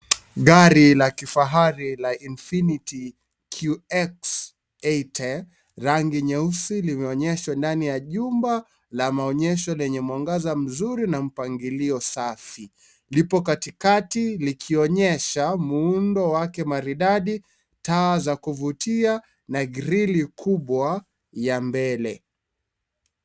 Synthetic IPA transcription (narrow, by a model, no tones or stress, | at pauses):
ɠaɾilakifaɦaɾilainfiniti | kʰuɛks | ɛtʰɛ | ɾaŋɡiɲɛusilimɛɔɲɛʃwandanijaʄumba | lamaɔɲɛʃɔlɛɲɛmwaŋɡazam̩zuɾinam̩paŋɡiliɔsafi | lipɔkatikatilikʰiɔɲɛʃamuundɔwakɛmaɾiɗaɗi | taːzakuvutia | naɡɾilikʰuɓwa | jambɛlɛ